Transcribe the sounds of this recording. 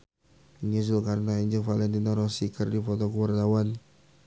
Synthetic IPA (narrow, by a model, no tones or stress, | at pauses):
ɲus̬ulkaɾnaɛɲd͡ʒəŋfalɛnt̪inaɾɔsikərdifɔt̪ɔkuwart̪awan